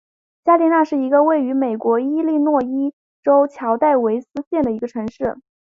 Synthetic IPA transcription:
t͡ɕja˥li˧˥na˥˧ʂɻ̩˥˩i˧˥ɡə˧we˥˩ɪy˧˥me˨˩ɪkwɔ˧˥i˥li˥˧nwɔ˥˩i˥ | ʈ͡ʂo˥ʊt͡ɕʰjɑ˧˥ʊt̪a˥˩ɪwe˧˥ɪsɹ̩˥ɕjɛ˥˩nd̪ə˩i˧˥ɡə˧ʈ͡ʂʰɤ˧˥ŋʂɻ̩˥˩

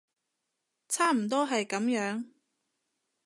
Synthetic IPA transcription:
t͡sʰaː˥m̩˨˩t̪̬ɔː˥ɦɐ˨jkɐ˨˥mjœː˨˥ŋ

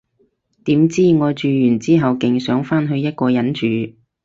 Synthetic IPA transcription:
t̪iː˨˥mt͡siː˥ŋɔː˨˧t͡ʃyː˨˧jyː˨˩nt͡siː˥ɦɐ˨wkɪ˨˩ŋsœː˨˥ŋfaː˥nɦɵ˧ɥjɐ˥t̚kɔː˧jɐ˨˥nt͡ʃyː˨˧

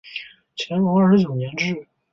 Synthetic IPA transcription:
t͡ɕʰjɛ˧˥nkɔ˧˥ɐ˞˥˧˩ʂɻ̩˧t͡ɕjo˨˩ʊnjɛ˧˥nʈ͡ʂɻ̩˥˩

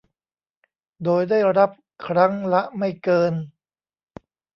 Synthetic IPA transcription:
doː˧jdaː˥˩jɾa˦˥p̚ | kʰɾa˦˥ŋla˦˥ʔma˥˩jkɤː˧n

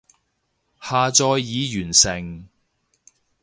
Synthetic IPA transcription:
haː˨t͡sɔː˧jːiː˨˧jyː˨˩nsɪ˨˩ŋ

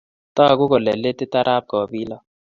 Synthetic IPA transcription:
t̪ɔ˦˨ɡʊ˦kɔ˨lɛ˨le˦t̪ɪ˦t̪a˦ɾʔa˦p̚kɔ˨bi˦lɔ˦

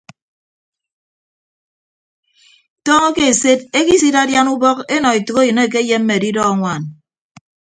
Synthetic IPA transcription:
tɔː˦ŋɔ˦ke˦e˨se˦de˦ki˦si˦da˦dja˦nu˦bɔ˦ke˦nɔ˨i˨tu˨ko˦jɨ˨ne˦˨k̬e˦je˦m̩˦me˨di˦dɔ˦a˦ŋʷa˨n

